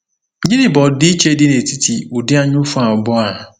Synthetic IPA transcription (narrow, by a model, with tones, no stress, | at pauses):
ɲĩ˦nɪ˨bɔ˨dɪ˦i˦t͡ʃe˦dɪ˦ne˨ti˦tʰi˨ʊ˨dɪ˦a˦ɲʊ˦fʊ˦a˨ʊ˨bɔ˦a˨